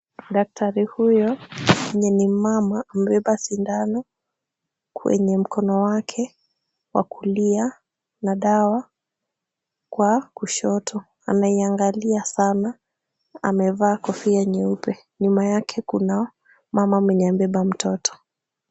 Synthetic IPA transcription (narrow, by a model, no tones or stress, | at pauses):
ɗak̚tʰaɾihujɔmɛɲɛnimamaːm̩ɓɛɓasindanɔ | kwɛ̰ɲɛm̩kʰɔnɔwakʰɛ | wa̰kulia | naɗawa | kwakuʃɔtʰɔ | a̰naiaŋɡaliasana | a̰mɛvaːkɔfiɛɲɛupɛ | ɲumajakʰɛkuna | mamamwɛɲɛam̩bɛɓam̩tʰɔtʰɔ̥